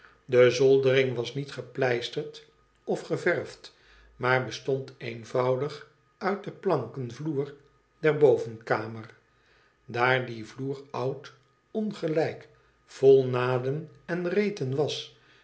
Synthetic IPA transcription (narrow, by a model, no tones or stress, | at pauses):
dəzɔlˠdərɪŋʋɑsnitχəplɛjstəɹt | ɔfχəvɛɹft | maːɹbəstɔntejnvɑwdəχ | œɥt̚dəplɑŋkənvluːr | dɛɹbowvənkaːməɹ | daːɹdivluːrʌwt | ɔnχəlɛjk | fɔlˠnaːdəmɛnrejtənʋɑs